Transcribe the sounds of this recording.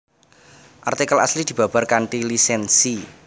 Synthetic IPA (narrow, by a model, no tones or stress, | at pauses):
ʔa̰rt̪ikəla̰slid̪̥i̤b̥a̤b̥a̤rkaɳʈilisɛnsi